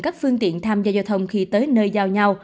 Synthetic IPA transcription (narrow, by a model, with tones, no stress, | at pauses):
kaː˦˥k̚fɨ˧əŋt̪ḭ˧˨ənt̪ʰaː˧mzaː˧zaː˧wt̪ʰə˧wŋ͡mxi˧t̪əː˨˦jnəː˧jzaː˧wɲa˧w